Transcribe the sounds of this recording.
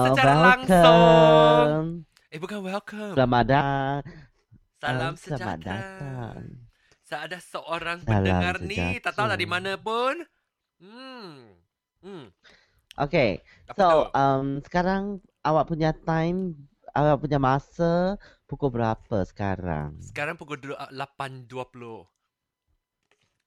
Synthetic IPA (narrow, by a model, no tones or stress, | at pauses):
wɛlkə | m | ebukanwɛlkəlamadaŋ | aaaəama̰t̪̚da̰t̪aŋ | səadasəʔoɾaŋsala̰asənid͡ʒa̰t̪aʔt̪aut̪adimanəpun̩ | ʔo̰ke | soʔəmsə̥kaɾaŋ | awaʔpuɲat̪ãjm | awaʔ̚puɲamasəpukubəɾapəsə̥ka̰ɾa̰ŋsə̥kaɾaŋpukudulapanduapulo